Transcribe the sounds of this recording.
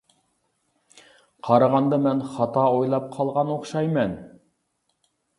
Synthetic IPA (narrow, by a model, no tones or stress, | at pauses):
qʰɑɾɑʁɑnd̪ɑmɛnχɑt̪ɑojlˠɑp̚qʰɑlˠʁɑnoχʃɑjmɛn